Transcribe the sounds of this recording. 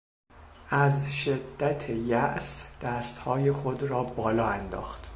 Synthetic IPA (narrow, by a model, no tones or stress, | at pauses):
ʔæzʃed̪ːæt̪ʰejæʔsd̪̥æst̪hɒːjexod̪rɒːbɒːlɒːænd̪ɒ̰ːxt̪